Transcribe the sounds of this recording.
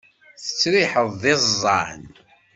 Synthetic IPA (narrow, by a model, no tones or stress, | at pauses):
θə̥t͡sːɾɪħəðˤðɪzzˤːɑʕn